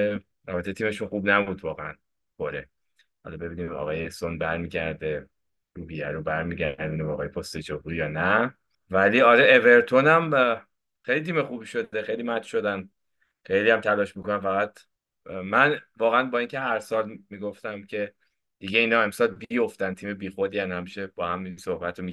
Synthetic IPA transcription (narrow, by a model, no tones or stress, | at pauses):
ɾɒbet̪ʰet̪ʰiːmeʃunxuːbnæbuːd̪vɒːɣeæn | xoɾe | hɒ̰lɒbe̞biːnimɒ̰ɣɒːjesonbæɾmiːɟæɾd̪e | ɾubiæɾobæɾmiɟæ̰ɾd̪inimɒːɣɒːjepʰost̪ed͡ʒobuɾijɒːnæ | væliːɒɾeʔeve̞ɾt̪ʰonæm | xejlit̪ʰiːmexubiʃo̞dexejlimæt̪ʃo̞d̪æn | χe̞jliæmt̪ʰælɒːʃmikonæmfæɣæt̪ | mænvɒːɣeænbɒːiːŋcʰe̞ɦæɾsɒːlmiɡoft̪æmcʰe̞ | d̪̥iɟeiːnɒe̞msɒːlbijo̞ft̪ænt̪ʰiːmebiːxod̪iːænhæmiʃeb̥ɒːhæmisohbæt̪ʰɾomi